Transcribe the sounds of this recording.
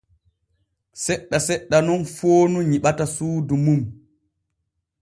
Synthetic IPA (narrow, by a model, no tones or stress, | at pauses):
sɛɗːasɛɗːanɔnfoːnuɲiɓatasuːdumum